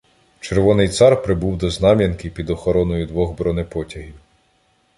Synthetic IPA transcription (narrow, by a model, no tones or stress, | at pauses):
t͡ʃeɾʋɔnɪjt̪sɑrpɾɪbuwd̪ɔznɑmʲjɐnkɪpʲid̪ɔxɔɾɔnɔjʊd̪ʋɔɣbɾɔnepɔtʲɐɦʲiw